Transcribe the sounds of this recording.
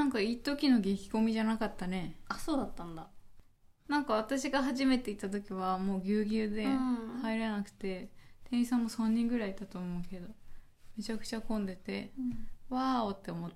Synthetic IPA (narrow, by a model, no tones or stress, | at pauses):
nãŋkaiːt̪o̞kʲino̞ɡe̞kʲi̥ko̞mʲiʑanakat̪ːane̞asoːd̪at̪ːãnd̪a | nãŋkaβ̞at̪aɕiɡaɦaʑime̞t̪e̞it̪ːat̪̬o̞kʲiβamo̞ːɡʲɨːɡʲɨːd̪e̞haiɾenakɯ̟̥t̪e̞t̪ẽ̞ɰ̃isãmːo̞sãɲ̟ːĩŋɡɯ̟ɾait̪ːat̪oːmo̞ɯ̟ke̞d̪o̞ | me̞t͡ɕakɯ̟̥t͡ɕakõ̞nd̪e̞t̪e̞βaot̪ːe̞omot̪ː